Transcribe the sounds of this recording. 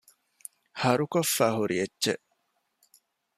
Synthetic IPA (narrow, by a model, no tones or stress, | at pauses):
hɐɾukofːaːhuɾietːʃḛʔ